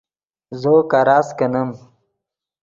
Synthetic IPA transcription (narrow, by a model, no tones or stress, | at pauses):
zoːkaɾaːskɐnɐm